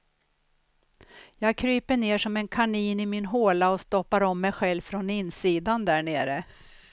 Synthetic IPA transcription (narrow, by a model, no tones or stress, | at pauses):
jɑːɡ̚kʰɾyːpəɳeːʂɔmɛnkʰaɳiːnɪmɪnɦoːlaɔst̪ɔpːaɾɔmːɛjɧɛlvfɾɔnɪnsiːd̪and̪æɳeːɾə